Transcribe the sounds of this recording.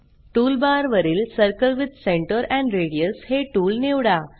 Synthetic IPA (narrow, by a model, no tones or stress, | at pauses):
ʈuːlbaɾʋəɾiːlsəɾkəlʋid̪sẽɳʈəɾɛ̃ɳɖɾeɽijəsheʈuːlneʋɽa